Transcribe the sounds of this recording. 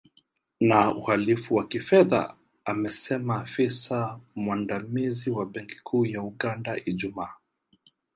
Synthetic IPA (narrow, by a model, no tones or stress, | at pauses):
nauhalifuwakifɛða̰ | amɛsɛmaːfisamwandamiziwaɓɛŋki̥kʰuːjauɠandaʔiʄumaː